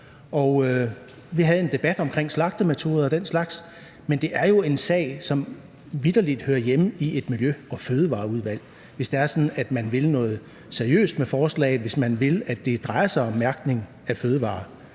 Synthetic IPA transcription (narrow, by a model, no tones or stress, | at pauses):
ʔɒ̽ʊ | ʋiɦæð̞̩ˠe̝nd̥e̝b̥æd̥ɒ̽mkʰʁeŋ̰slɑ̈ɡ̥̚d̥əmet͡sʰo̝̰ːð̞ˠɒd̥en̰slɑ̈ɡ̥s | mend̥e̝ʔæɐjo̝e̝nsɛ̰ːɪ̰sɒ̽m | ʋid̥ɐlid̥høːɐjemie̝d̥miljøɒ̽føːð̞ˠəʋɑ̰̈ːuð̞ˠʋæl̰ | ʋe̝sd̥eæɐsɒ̽nn̩æd̥mænʋe̝lnɔ̽ːð̞̩ˠ | se̝ɐijø̰ːsd̥mefɒːslɛ̰ɪð̩ˠʋe̝smænʋe̝læd̥e̝d̥ʁɑ̈ɪɐsɑ̈ɪɒ̽mːæɐɡ̥ne̝ŋ | æføːð̞ˠəʋɑ̰̈ː